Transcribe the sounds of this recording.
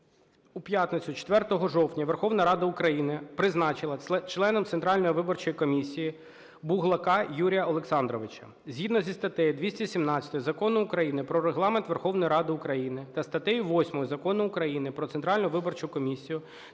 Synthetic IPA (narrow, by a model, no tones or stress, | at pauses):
upʲjat̪nɪt͡sʲʊt͡ʃe̥t̪ʋɛrt̪ɔɦɔʒɔwtʲnʲɐʋerxɔwnɐɾɑd̪ɐʊkɾɐjinɪpɾɪznɑt͡ʃɪlˠɐt͡ʃlˠɛnɔmt̪sent̪ɾɑlʲnɔjiʋɪbɔrt͡ʃɔjikɔmʲisʲiji | buɦlˠɐkɑjuɾʲijɐɔlˠeksɑnd̪ɾɔʋɪt͡ʃɐ̰ | zʲɦid̪nɔzʲist̪ɐt̪ɛjɪd̪ʋʲisʲtʲisʲimnɑt͡sʲɐ̥t̪ɔjizɐkɔnʊːkɾɐjinɪpɾɔɾeɦlˠɑment̪ʋerxɔʋnɔjiɾɑd̪ɪʊkɾɐjinɪt̪ɐst̪ɐt̪ɛjʊʋɔsʲmɔjʊzɐkɔnʊːkɾɐjinɪpɾɔt̪ent̪ɾɑlʲnʊʋɪbɔrt͡ʃʊkɔmʲisʲijʊ